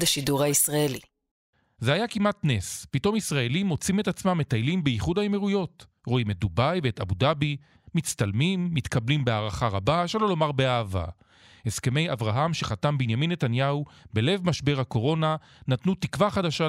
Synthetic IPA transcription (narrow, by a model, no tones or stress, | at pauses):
daʃiduʁhaisʁaeli | zehajakimʔatnespito̞misʁae̞limo̞t͡simetat͡smamːet̪ajlimbejiχudaemeʁujo̞t | ʁo̞imet̪̚d̪ubajbeet̪a̰budabi | mit͡st̪almimːitkablimbeaːʁaχaʁabaʃelo̞lo̞maʁbeaːva̰ | heske̞me̞javʁaɦamʃe̞χatambinjaminːe̞tanjaubele̞vmaʃbe̞ʁhako̞ʁo̞na | natnutikvaχadaʃa